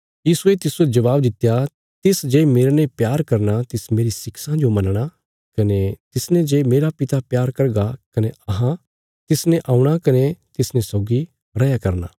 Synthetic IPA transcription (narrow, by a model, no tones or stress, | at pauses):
jiːsuet̪ɪsued͡ʒɐʋaːb̚d̪ɪt̪ːja | t̪ɪsd͡ʒeːmeːɾnẽpjaːɾkɐɾnat̪ɪsmeːɾisɪksãd͡ʒomɐnɽ̃a | kɐnet̪ɪsnẽd͡ʒeːmeːɾapɪt̪apjaːɾkɐɾɡakɐneɐɦã | t̪ɪsnẽʔãːũɽ̃akɐnet̪ɪsnẽsɔːɡi | ɾɐjakɐɾna̰ː